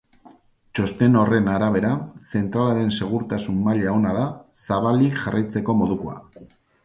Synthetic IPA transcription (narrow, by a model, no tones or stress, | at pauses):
t͡ʃo̞st̪e̞no̞re̞naɾaβ̞e̞ɾase̞nt̪ɾalaɾe̞nse̞ɣ̞uɾt̪asumːaʎeao̞naðasaβ̞aliʝarʔajt͡se̞ko̞mo̞ðukoa̰